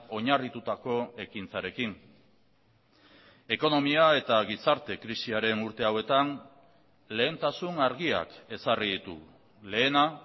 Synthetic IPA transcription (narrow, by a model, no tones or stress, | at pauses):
o̞ɲarit̪ut̪ako̞e̞kint͡saɾe̞kin | e̞ko̞no̞miae̞t̪aɣ̞isaɾt̪e̞kɾisiaɾe̞nuɾt̪e̞awe̞t̪an | le̞ːnt̪asunaɾɣia̰ke̞sariðit̪ṵ | le̞ːna